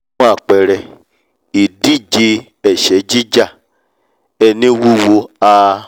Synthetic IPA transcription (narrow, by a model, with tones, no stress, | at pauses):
a˦˨k͡pɛ˨ɾɛ˨ | i˨di˦˨d͡ʒe˧ | ɛ˨ʃɛ˨˦d͡ʒi˦d͡ʒa˦˨ | ɛ˧nĩ˦wu˦wo˧˦a˧